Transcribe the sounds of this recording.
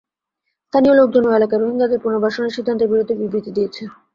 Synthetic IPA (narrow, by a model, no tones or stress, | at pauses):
st̪ʰaniolok̚d͡ʑonoelakaɾoɦiŋɡad̪eɾpuɾnobʱaʃoneɾʃid̪ʱːant̪obiɾod̪ʱeɾbibɾit̪ːid̪ijet͡ɕʰe